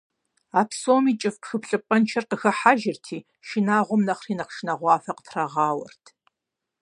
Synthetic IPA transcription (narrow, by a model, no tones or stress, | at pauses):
aːpsoːmiːt͡ʃʼɪfpxɨpɬʼɨpʼɐnt͡ʃʰɐrqəxɐħaʒɪrtʰiː | ʃɪnaːʁʷʊmnɐχriːnɐχʃnɐʁʷɑːfɐqə̥tʰrɐʁɑːwɐ̰rtʰ